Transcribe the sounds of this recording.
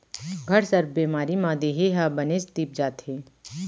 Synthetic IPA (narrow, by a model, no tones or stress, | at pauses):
ɡʱɐɾsəɾbeːmaːɾimãːd̪eːɦeɦaːbɐneːst̪iːp̚d͡ʒaːt̪heː